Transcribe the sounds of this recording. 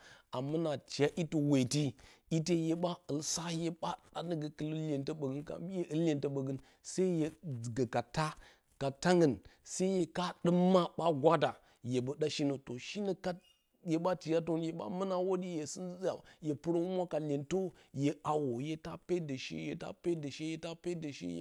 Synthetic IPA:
a˨mɨ˦na˨t͡ʃi˨ja˦ʔi˦tu˨we˨ti˦i˦te˦je˨ɓa˦ə˨lsa˦je˦ɓa˦ɗa˦nə˦ɡə˨kə˦lə˦lʲe˨ntə˦ɓə˨ɡɨ˦nka̰˨˦je˦ʔɨ˦llʲe˨ntə˦ɓə˨ɡɨ˦n | sa˦i˦je˨ɡə˨ka˨ta˦ | ka˨ta˦ŋə˨nsa˦i˦je˨ka˦ɗɨ˦mːa˦ɓa˦ɡʷa˦da˨ | je˨bə˨ɗa˦ʃi˦nə˨to˨ʃi˦nə˦ka˦ | je˨ɓa˦ti˨ja˦t̬o˦n˦je˨ɓa̰˦mə˦na˦wo˦di˦je˨sɨ˦a˨je˨pɨ˦ɾo˦wu˦mʷ˦a˦ka˨lʲe˨nto˦je˨ʔa˨wo˨je˦ta˦pe˦də˨ʃḛ˦je˨ta̰˦pe˦də˨ʃe˦je˨ta˦pe˦də˨ʃḛ˦j̰

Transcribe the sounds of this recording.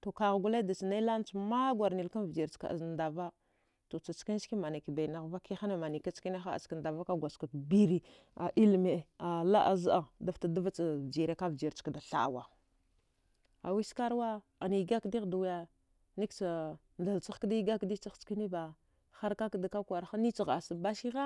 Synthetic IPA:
to˨ka˨ɣɡu˦la˦da˨si˨na˦i˦la˦n˦t͡sma˦ɡʷa˨ɾni˨lka˦nvd͡ʒi˨ɾt͡ʃka̰˨a̰˨znda˨va˦ | to˨t͡sa˨t͡ʃki˦n˦ski˦ma˨na˨ki˨ba˨na˨ɣva˦ki˦xa˦na˨ma˨ni˨ka˦t͡ski˦na˦xa˦a̰˨ska˨n˨da˨va˦ka˦ɡʷa˨ska˨tbi˦ɾi˨ | a˨ʔi˦lme˨a˨la̰˦ʔa̰˨za˨da˦fta˨da˦va˦t͡sa˨vd͡ʒi˨ɾe˦ka˦vd͡ʒi˨ɾt͡ʃkda˨ɬa̰˨wa˨ | a˨wi˦ska˦ɾwa˦ | a˨ni˨ɡa˦kdi˦ɣdu˨wja˨ | ni˦kt͡sa˨ | nda˨lt͡sa˦xkdi˦ɡa˦kdi˦t͡sa˦xt͡ʃki˦ni˦ba˨ | xa˦ɾka˦kda˨ka˦kwa˨ɾxa˦ni˦t͡si˨ɣa˨sa˨ba˦ʃi˦ɣa˦

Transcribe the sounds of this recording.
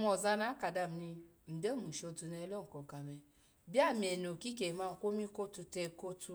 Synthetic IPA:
mɔ˨za˧na˦ka˨da˧˨m̩˨ni˧˨ | n̩˨de˦˨mũ˨ʃo˧tu˧nɛ˧˦lɔ˦ŋ̩˨kɔ˨ka˨mɛ˨ | bi˦a˦˨mi˨ɛ˨no˨ki˦ke˨ma˦˨kʷo˦mi˦ko˦tu˧tɛ˧ko˦tu˧

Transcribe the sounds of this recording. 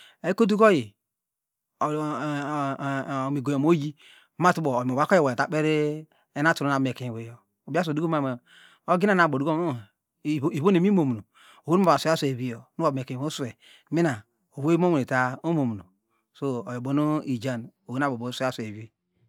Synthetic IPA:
e˨˦ko˦du˦ɡo˦ji˨ | mi˨ɡo˨jo˨mo˦ji˦ | ma˦˨tu˦bo˨m˨o˨ba˦ko˦je˦wo˨ta˨k͡pe˦ɾe˦ | e˦n˦a˦tu˨ɾo˦na˨bme˨ke˨wo˨jo˨ | o˨bi˦a˦s̬o˨du˦o˦ma˨ma˨ | o˦ɡi˦na˦˨n˨a˨bo˨du˦k | i˨βo˦ne˨mi˦mo˨m˨no˨ | o˨wu˦n˦a˨so˨˦a˦se˨βi˦jo˨˦nu˦a˨bm˨e˨ke˨o˦su˦˨e˨ | mi˦na˨ | o˨wo˦mo˦wu˨e˨ta˨o˦mo˨m˨no˨ | so˦o˨jo˨bo˦no˦i˨d͡ʒa˦no˨wu˦na˦˨bo˨bo˨˦sa˦se˨βi˦

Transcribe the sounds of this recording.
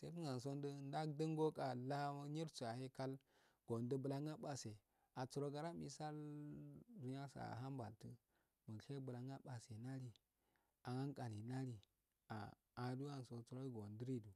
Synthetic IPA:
se˦fu˦ŋa˨n˨s̬o˦ndə˦n˦da˦k̚də˦ŋɡo˦kʼa˨la˦ɲi˦ɾt͡su˨a˨he˦ka˦l | ɡ̥o˨ndə˦bə˨la˦ŋa˦ɓa˨se˨ | a˨t͡su˨ɾo˦ɡa˨ɾa˦mḭ˨sa˦l | du˨ɲa˦sa̰˨ɦa˦mba˨ltə˦ | mə˨ɬe˦bə˨la˨ŋa˦ɓa˨se˨na˦ɾi˨ | a˨ŋa˦ŋkʼa˨li˨na˦ɾi˨ | a̰ː˨ | du˦a˦n˨so˨t͡su˨ɾo˦ɡo˨ndə˦ɾi˦du˨

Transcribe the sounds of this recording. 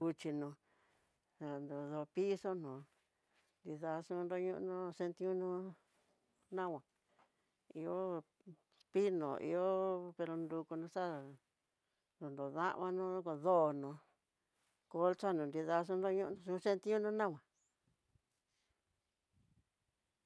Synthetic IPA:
u˧t͡ʃi˧nõ˧ | a˧nd̪o˨ðo˧pi˦so˦nõ˨ | nd̪i˧ða˧ʂũ˦˧nd̪o˧˦ɲũ˦˧ʔnũ˦se˧nt̪ĩ˦ũ˦nũ˦ | nã˦˨wã˨ | i˧o˦ | pi˦nõ̰˨ʔḭ˧o˦pe˧ɾo˧nd̪u˧ku˧nũ˧ʂa˦˨ | d̪u˨nd̪o˨ðã̰˦ʔã˧nũ˦ko˧ðo˦˨nõ˧ | ko˦lt͡ʃa˦nũ˨nd̪i˧ða˧ʂ̬ũ˦nd̪o˦ɲũ˦ʔʂũ˧se˦˧nt̪i˦ũ˦nũ˦nã˦wã˨

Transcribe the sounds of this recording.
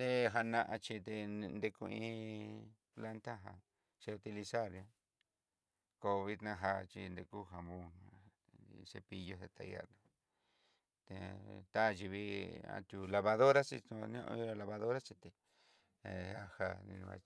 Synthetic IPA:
d̪e˦˧ɦa˧nã˧ʔa˧t͡ʃi˧t̪e˧nd̪e˧ku˧ĩ˦ | pla˦nt̪a˦ɦa˧ | ʃe˧u˧t̪i˧li˧sa˦˨ɾja˧ | ko˧βi˦t̪nã˧ɦa˧t͡ʃḭ˧nd̪e˧ku˦ɦa˨βũ˧ | se˧pi˧jo˧se˧t̪a̰˧ja̰˦˧na˧ | t̪e˧t̪a˦˧t͡ʃi˧βi˧ã̰˧t̪ʲu˧la˧βa˧ðo˦ɾa˦sḭ˧tũ˧nõ̰˦ʔi˦a˧la˧βa˧ðo˦ɾa˦t͡ʃi˧t̪e˧˨ | a˧ha˧nḭ̃˧ñ˧βa̰˧

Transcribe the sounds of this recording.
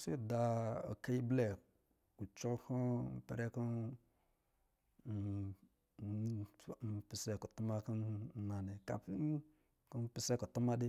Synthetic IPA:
si˦˨da˨o̰˨ke˦i˦ble˨k | u˨t͡ʃo˦lku˦m̩˨pɛ̰˨ɾe˦ku˦˨ | pi˨se˦ku˨tu˦ma˦ki˦n˦na˨ne˨ka̰˨˦ | ku˦n˦pi˦se˦ku˨tu˦ma˦di˦

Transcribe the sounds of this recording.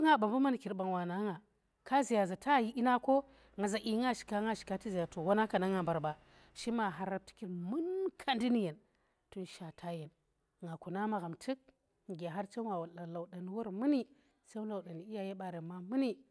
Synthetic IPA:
ŋa˨ba˨mbu˦ma˦n˨ki˨ɾba˨nwa˨na˨˦ŋa˨ | ka˦zi˨ja˨za˨ta˦˨ji˦ʔi˦na˦ko˦ | ŋɡa˨za˨ʔi˨˦ŋa˦ʃi̥˨ka˦ŋa˦ʃi̥˨ka˦ti˦zi˨ja˨to˨wo˦na˦ka˨na˦ŋa˨mba˨ɾba˨ | ʃi˦ma˨ɦa˨ɾa˦b̚ti̥˦ki˨ɾmu˦nkʰa˦ndi˦ni˦je˨n | tu˦nʃa˨tʰa˦je˨n | ŋa˨ku˨na˦ma˨ɣa˨mtʰɨ˦k̚ | ŋ˨ɡʲa˨ɦa˦ɾt͡ʃa˦wa˨wa˨la˨la˨wɗa˨n˨˦wo˦ɾmɨ˦ni˦ | sa˦la˨wɗa˨n˨i˦ja˦je˦ɓa˨ɾe˨mːa˦mɨ˦ni˦

